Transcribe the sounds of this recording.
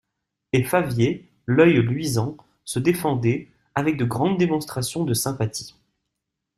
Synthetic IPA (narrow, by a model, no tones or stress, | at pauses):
efavje | lœjlɥizɑ̃ | səd̪efɑ̃d̪ɛ | avɛk̚d̪əɡʁɑ̃d̪ːemɔ̃st̪χasjɔ̃d̪əsɛ̃pat̪i̥